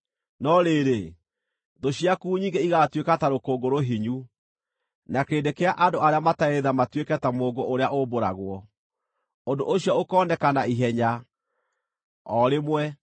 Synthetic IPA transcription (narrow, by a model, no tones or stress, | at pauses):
nɔɾeːɾe | ðoɕiakuːɲiːŋɡeiɣatwekataɾokoɡoɾoɦiɲu | nakeːndekeaʔandoaɾeamataeðamatwekɛtamoːɡoʔoɾeaʔoboɾa̰ɣwɔ | ondo̰ʔoɕiɔokɔːnɛkanaiɦɛɲa | ɔɾemwɛ